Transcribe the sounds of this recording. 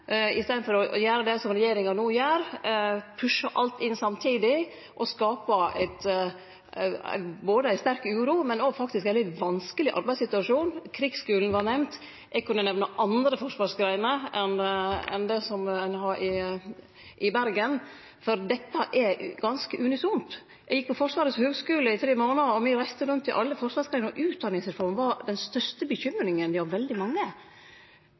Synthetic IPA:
ɪ̰st̪eːd̪n̩fɔɾɔjæːɾəd̪ɛsɔmɾɛjeːɾɪŋɑnuːjøːɾpʰʉʂːəʔɑlt̪ɪnsɑmt̪ʰiːd̪ɪ | ʔɔskɑːpəæ̰ɪt̪ | boːd̪əæɪst̪æɾkʉːɾuːmɛnɔɡfɑk̚t̪ɪskɛld̪ɪʋɑnskəlɪʔɑ̰ɾbæɪsɪt̪ʉɑʂuːnkʰɾɪɡskʉːln̩ʋɑɾnɛʋnt̪ | ʔɛɡ̚kʉnːənɛʋnəʔɑnd̪ɾəfɔʂʋɑːʂɡɾæɪənəʔɛnɛ̰nd̪ɛsɔmɛnɦɑɾʔɪ | ʔɪbæɾɡən | fɔɾd̪ɛt̪ːəʔɛɡɑnskəʔʉnɪsʊmt̪ | jɛɡjɪk̚pɔfɔʂʋɑːɾətshøːɡskʉːləɪt̪ʰɾeːmoːnəɔmɪɾæɪst̪əɾʉnt̪ːɪʔɑlːəfɔɾʂʋɑːɾsɡɾæɪnɾɔʔʉːt̪̚d̪ɑnɪsɪɾfɔɾmʋɑɾd̪ɛnst̪œst̪əbəçʏmːɾɪŋənd̪ɪhɑɾʋɛld̪ɪmɑŋːə

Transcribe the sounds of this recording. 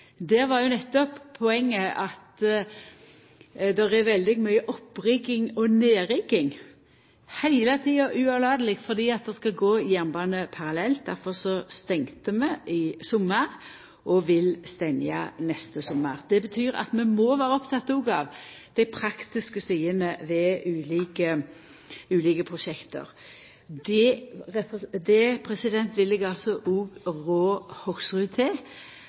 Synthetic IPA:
d̪ɛɾʋɑɾjʊnɛt̪ːɔpʰːɔɛŋːəʔɑt̪ | d̪ɛʁɛʋɛld̪ɪɡmœʏəʔɔpːɾɪɡɪŋɔneːɾɪɡːɪŋ | hæɪlət̪ʰiːɑʔʉːɑlɑːd̪əlɪɡt̪fɔʁd̪iːɑt̪̚d̪ɛskɑɡoːjænbɑːnəpʰɑʁɑlɛlt̪̚d̪æɾfɔʁsɔst̪ɛŋt̪əmɛʔɪsɔmːəʁ | ʔɔʋɪlst̪ɛnjɑ̰nɛst̪əsɔmːəʁd̪̥ɛbət̪ʰyːɾɑ̰t̪mɛmɔʋæːɾəɔpt̪ʰɑt̪ːuːɡɑʋd̪̥æɪpʰɾɑkt̪ɪskəsiːənəʋɛʔʉːliːkə | ʉːliːkəpʰʁʊʃɛkt̪ə̰ɾ | d̪ɛʁɛpd̪ɛpʰɾɛsɪd̪ɛnt̪ʋɪlːɛɡɑlsɔʔuːɡʁoːhɔksʁʉt̪ʰeː

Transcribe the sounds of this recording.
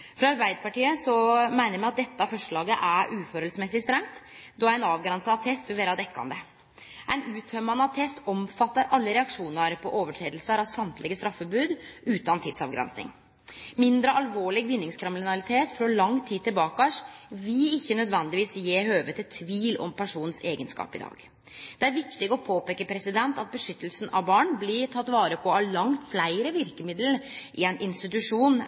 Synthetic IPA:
fɾɑɑɾbæɪd̪əpɑʈiːəsɔmæɪnəɾmɛɑt̪̚d̪ɛt̪ːəɑfɔʂɭɑːɡəʔæɾʔʉːfɔɾɛlsmɛsɪst̪ɾɛŋt̪ | d̪ɔæɪnɑːʋɡɾɛnsɑt̪ʰɛst̪ʋɪʋeːɾɑd̪ɛkːɑ̰nd̪ə | ʔæɪnʉːt̪ʰœmɑnɑt̪ʰɛst̪ɔmfɑt̪ːəɾʔɑlːəɾɛɑkʂuːnəɾpʰɔʔoːʋəʈʰɾeːd̪lsəɾɑʋsɑmt̪lɪɡəst̪ɾɑfːɔbʉːd̪ʉːt̪ɑnt̪ʰɪd̪sɑ̰ʋɡɾɛ̰nsɪ̰ŋ | mɪnd̪ɾəʔɑlʋoːɭɪɡʋɪnːɪŋskʰɾɛmlɪnɑlɪt̪ʰeːt̪fɾɔlɑŋːt̪ʰiːt̪ːɪlbɑːkæʂʋɪlɪçːənœd̪ʋɛnd̪ɪʋiːsjeːhøːʋət̪ʰɪlt̪ʰʋiːlɔ̰mpʰæʂuːnn̩seːɡənskɑ̰ːpɪ̰d̪ɑ̰ːɡ̥ | d̪̥ɛæɾʋɪkt̪ɪɡɔpʰoːpeːkːəpʰɾɛsɪd̪ɛnt̪ɑt̪̚bəʂʏt̪ːəlsnɑ̰ʋbɑːɳblɪʈʰɑt̪ːʋɑːɾəpʰɔɑlɑŋt̪flæɪɾəʋɪɾkəmɪd̪lʔɪɛnʔɪnst̪ɪt̪ʉʂuːn

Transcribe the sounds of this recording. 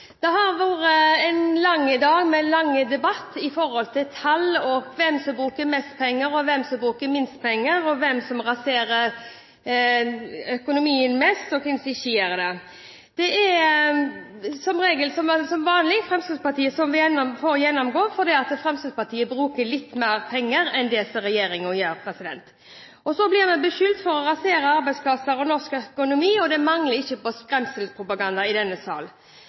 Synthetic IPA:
d̪̥ɛɦɑɾʋoːɾəɛnlɑŋːəd̪ɑːɡmɛlɑŋːəd̪ɛbɑt̪ːɪfɔɾhɔlt̪ʰɪlt̪ʰɑlɔɡʋɛmsɔmbɾʉːkəɾmɛst̪̚pʰɛŋːəɾɔʋɛmsɔmbɾʉːkəɾmɪnst̪̚pʰɛŋːəɾɔʋɛmsɔmʁɑseːɾəɾ | œkʊnʊmiːənmɛst̪ɔkɪnsɪʃiːəɾəd̪ɛ | d̪̥ɛɛ | sɔmɾeːɡəlsɔmsɔmʋɑːnlɪɡfɾɛmst̪əspɑʈ̪iːəsɔmʋɪjɛnfɔɾɔjɛnːɔmɡoːfɔd̪iːɑt̪fɾɛmst̪əspɑt̪ʰiːəbɾʉːkəlɪt̪ːmæːɾpʰɛŋːəɾɛnd̪ɛsɔɾɛjeːɾɪŋɔjeːɾpʰɾɛsɪd̪ɛ̰nt̪ | ɔsɔblɪʁmɛnbəʃʏlt̪fɔɾɔɾɑseːɾəɑɾbæɪspʰlɑsəɾɔnɔʁskœkʊnʊmiːɔd̪ɛmɑŋləɾɪçːəpɔspɾɛmsəlspʰɾʊpɑɡɑnd̪ɑɪd̪ɛnːəsɑ̰ːl

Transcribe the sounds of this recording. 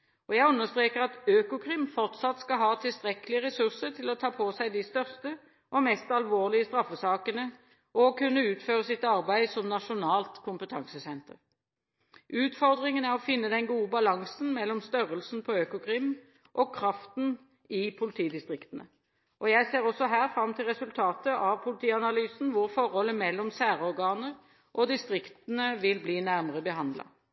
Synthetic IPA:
ʔɔjæɪʉnːəst̪ɾeːkəʁɑt̪øːkʊkʰʁɪmfɔʁt̪sɑt̪skɑɦɑːt̪ʰɪlst̪ʁɛkəlɪəʁɛsʉʁsəʁt̪ʰɪlɔt̪ʰɑːpʰɔsæɪd̪ɪst̪œʁst̪ə | ʔɔmɛst̪ɑlʋoːʁlɪəst̪ʁɑfːəsɑːkənə | ʔɔkʰʉnːəʉːt̪føːʁəsɪt̪ɑʁbæɪsɔmnɑʂʊnɑːlt̪kʰʊmpət̪ʰɑŋsəsɛnt̪əʁ | ʔʉːt̪fɔʁd̪ʁɪŋənæʁɔfɪnːəd̪ɛnɡuːəbɑlɑŋsn̩mɛlːɔmst̪œʁəlsn̩pʰɔøːkʊkʰʁɪm | ʔɔkʰɾɑft̪n̩ | ɪpʰʊlɪt̪ʰiːd̪ɪst̪ʁɪkt̪ənə̰ | ʔɔjæɪseːʁɔsːɔɦæːʁfɾɑmːt̪ʰɪlʁɛsʉlt̪ʰɑːt̪əʔɑʋpʰʊlɪt̪ʰiːɑnɑlyːsn̩ʋʊɾfɔɾhɔlːəmɛlːɔmsæːʁɔʁɡɑːnəʁ | ʔɔd̪ɪst̪ʁɪkt̪ənəʋɪlbliːnæʁməʁəbəɦɑnd̪lɑ̰

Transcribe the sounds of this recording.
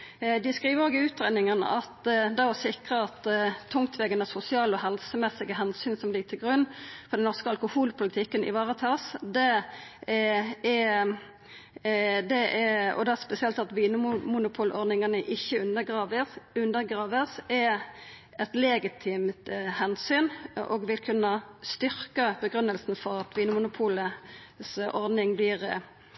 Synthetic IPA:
d̪ɪskʁiːʋəɾoːɡɪʉːt̪ʁeːnɪŋənʔɑ̰t̪d̪ɑɔsɪkʁəɑt̪ːt̪ʰːʊŋt̪ʰʋɛɡənəsʊsɪɑːlɔhɛlsəmɛsɪɡəɦɛnsyːnsɔmlɪɡ̚t̪ʰɪlɡʁʉnːfɔʁd̪ɛnɔʁskəɑlkʊhuːlpʰʊlɪt̪ʰɪkːənʔɪ̰ʋɑːʁət̪ʰɑːsd̪ɛ | ɛ | d̪ɛɛɔ̰d̪ɛspɛsɪɛlt̪ɑt̪ʋiːnəmmʊnʊpʰʊːlɔɾd̪ɪŋɑnəʔɪçːəʉnd̪əɡʁɑːʋəsʉnd̪əɾɡʁɑːʋəsɛ | ɛt̪lɛɡɪt̪ʰɪmt̪hɛnsyːnʔɔ̰ɡʋɪlkʰʉnːəst̪ʏɾkəbəɡʁʉnəlsn̩fɔɾɑt̪ʋiːnəmʊnʊpʰuːləsʔɔɾd̪nɪŋblɪʁ

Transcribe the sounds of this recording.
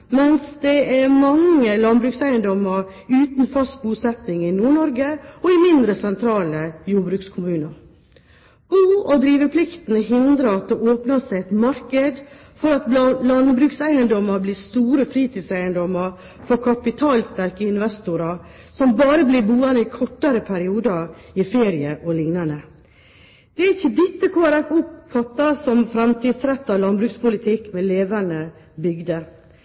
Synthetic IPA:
mɛnsd̪ɛæɾmɑŋːəlɑnbɾʉːksæɪənd̪ɔməɾ | ʉːt̪n̩fɑst̪̚buːsɛt̪nɪŋɪnuːɳɔɾɡəɔɪmɪnd̪ɾəsɛnt̪ʰɾɑːləjuːɾbɾʉkskʰʊmʉːnəɾ | b̥uːɔd̪ɾiːʋəpʰlɪkt̪ən̩əɦɪnd̪ɾəɑt̪̚d̪ɛʔoːpnɑsæɪɛt̪mɑɾkəd̪ | fɔɾɑt̪lɑnbɾʉːksæɪənd̪ɔmːəɾblɪst̪uːɾəfɾiːt̪ʰiːsæɪənd̪ɔməɾ | fɔɾkʰɑpɪt̪ʰɑːlst̪æɾkəɪnʋɛst̪ʊɾɑ | sɔmbɑːɾəblɪbuːənəɪkʰɔʈːɑɾəpʰæɾɪuːd̪əɪfeːɾɪəʔɔlɪŋnɑnə | d̪̥ɛæɾɪçːəd̪ɪt̪ːəkʰoːæɾæfʊpfɑt̪ːɑsɔmfɾɛmt̪ʰiːd̪sɾɛt̪ːɑʋlɑnbɾʉːkspʊlɪt̪ʰɪkmɛleːʋænəbʏɡd̪ə

